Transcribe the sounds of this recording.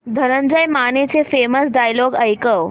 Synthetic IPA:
d̪ʱəɾənd͡ʑəjmanet͡sefeməsɖajloɡəjkəw

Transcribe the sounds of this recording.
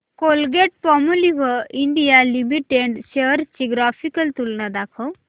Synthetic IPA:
kolɡeʈ̚pɔmuliʋəiɳɖijalimiʈeɖɕeəɾt͡ɕiɡɾafikəlt̪ulnad̪akʰəw

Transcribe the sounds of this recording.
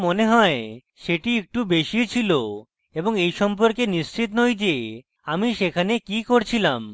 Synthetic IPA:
moneɦɔe | ʃeʈiek̚ʈubeʃit͡ɕʰilo | eboŋejʃɔmp̬oɾkenist͡ɕit̪nojd͡ʑe | amiʃekʰanekikoɾt͡ɕʰilam

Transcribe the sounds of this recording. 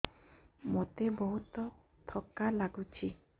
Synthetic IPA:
mot̪ebɔɦut̪ɔ | t̪ʰɔkalaɡut͡ʃʰi

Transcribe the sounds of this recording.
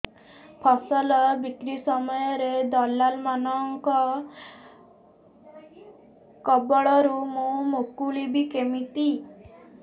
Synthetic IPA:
pʰɔsɔlɔbikɾisɔmɔjɔɾed̪ɔlːalmanɔŋkɔ | kɔbɔɭɔɾumũmokulibikemit̪i

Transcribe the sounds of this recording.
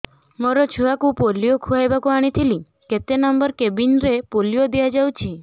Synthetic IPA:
məɾɔt͡ʃʰuakũpolijokʰuajbakũaɽ̃it̪ʰili | ket̪enəmbəɾkebinɾepolijod̪iad͡ʒawt͡ʃʰi

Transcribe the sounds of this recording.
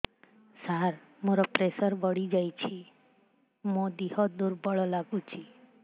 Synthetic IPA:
saɾ | moɾɔpɾesəɾbəɽid͡ʒajt͡ʃʰi | mõd̪ihɔd̪uɾbəɭɔlaɡũt͡ʃʰi

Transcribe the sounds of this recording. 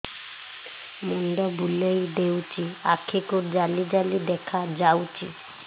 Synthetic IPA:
munɖ̪ɔbulejd̪ewt͡ʃiakʰekuɾd͡ʒalid͡ʒalid̪ɛkʰad͡ʒawt͡ʃḭ

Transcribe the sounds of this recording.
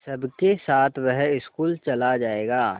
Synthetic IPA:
sɐbkesaːt̪ʰʋɛɦɪskuːlt͡ʃɐlad͡ʒaːeːɡaː

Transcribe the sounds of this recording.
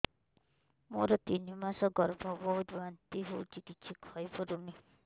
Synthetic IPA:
moɾɔt̪inimasɔɡɔɾbʱɔbɔɦut̪bant̪iɦot͡ʃikitːt͡ʃʰikʰɔjpɔɾuni

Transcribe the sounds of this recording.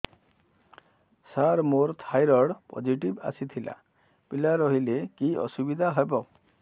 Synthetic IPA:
saɾmoɾt̪ʰajɾɔɽpɔ̰d͡ʒiʈiba̰sit̪ʰila̰ | pilaɾɔɦilekiʔɔ̰subid̪ʱaɦɔjbɔ

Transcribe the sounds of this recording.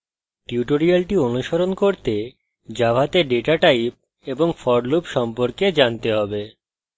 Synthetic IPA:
ʈiuʈoɾialʈionuʃoɾonkoɾt̪e | d͡ʑabʱat̪eɖeʈaʈajp̚ | eboŋfɔɽlupʃɔmpoɾked͡ʑant̪eɦɔbe

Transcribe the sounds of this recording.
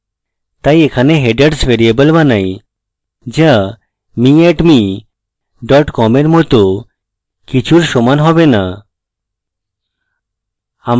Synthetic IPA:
t̪ajekʰaneɦeɖaɖsbeɾiebolbanaj | d͡ʑa | miɛʈmi | ɖɔʈkɔmeɾmɔt̪o | kit͡ɕʰuɾʃomanɦɔbena | am

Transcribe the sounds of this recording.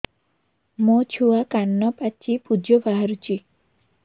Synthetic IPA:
mot͡ʃʰuakanːɔpat͡ʃipud͡ʒɔbaɦaɾut͡ʃʰi

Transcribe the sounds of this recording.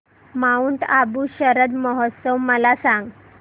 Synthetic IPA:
mauːnt̪abuːɕəɾəd̪mɔɦɔt̪səwməlasãŋɡ

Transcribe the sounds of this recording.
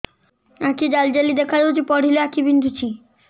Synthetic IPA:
akid͡ʑald͡ʑelid̪ekʰaɾod͡ʑepɔɽileakibind̪ʱut͡ɕʰi

